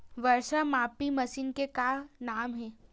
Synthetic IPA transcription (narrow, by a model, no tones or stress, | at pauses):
ʋɐɾʃamaːpimɐsiːnkekaːnaːmɦɛ̃ː